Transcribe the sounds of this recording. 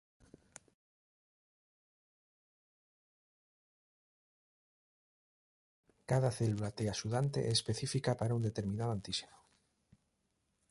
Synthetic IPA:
kaðaθelulat̪easuðant̪ḛʔespeθifikapaɾaund̪et̪e̞ɾmĩnaðant̪ise̥no

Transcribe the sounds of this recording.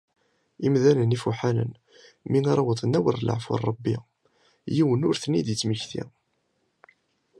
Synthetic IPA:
imðænənifuħanə̰n | minɑɾˤɑwəðˤənæwəɾlə̰ʕfʊ̰rˤəbːi | jiwənʊɾθənːid̪jət͡sːməçθḭ

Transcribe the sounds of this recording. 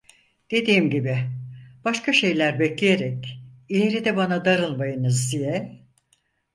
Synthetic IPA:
d̪̥e̞d̪iːmɟibɪb̥aʃkʰaʃe̞jlʲæɾbɛclʲeje̞ɾɛcilʲe̞ɾid̪ɛbanad̪aɾɯlˠmajɯnɯzd̪ijɛ

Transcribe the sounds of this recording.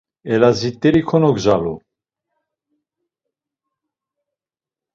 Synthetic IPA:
ɛlazit̪ʼːɛɾikʰɔnɔɡzalu

